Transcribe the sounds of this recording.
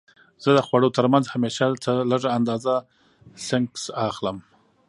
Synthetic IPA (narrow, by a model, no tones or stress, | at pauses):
z̥əd̪əxwaɽot̪əɾmanzhameʃat̪aləʐaːnd̪ɑza | sɪŋksaxləm